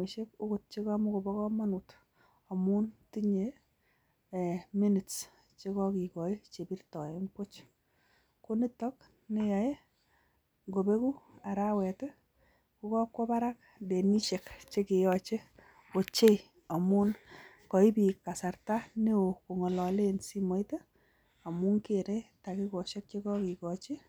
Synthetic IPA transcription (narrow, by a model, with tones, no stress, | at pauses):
e˨ʃe˦k̚u˦ku˨t̚t͡ʃe˦kɔ˦mu˦ko˨bɔ˦kɔ˦ma˦nu˨t | ɔ˨mu˦nti˦ɲe˨ | mi˦ni˨ts | t͡ʃe˦kɔ˦ki˨kɔ˨i˦t͡ʃe˨pi˦rtɔ˨e˦ŋpʊ˦t͡ʃ | ko˦ni˦tɔ˦k | ne˦ja˨e˦ | ŋɡo˨be˦ku˦a˨ɾa˦wɛ˨tɛ˦ | ku˦kɔ˦kwɔ˦pa˦ɾa˦k̚ | de˨ni˦t͡ʃe˨kt͡ʃe˦ke˨jɔ˨t͡ʃe˦ | o˨t͡ʃe˦ | a˨mu˦n | kɔ˨i˦pi˨kːa˨sa˨rta˦ne˦o˨ko˨ŋɔ˨lɔ˨le˦nsi˦mɔ˨˦ite˦ | a˨mu˦ŋke˨ɾe˦ta˨ki˦kɔ˨ʃe˦k̚t͡ʃe˦kɔ˦ki˨kɔ˨t͡ʃe˦